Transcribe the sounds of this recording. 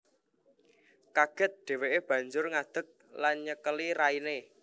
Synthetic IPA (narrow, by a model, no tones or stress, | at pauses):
kaɡ̥ə̤t̪̚ɖ̪̥e̤weʔeb̥ä̤ɲd͡ʒʊrŋad̪̥ə̤k̚lanɲəkəliɾaine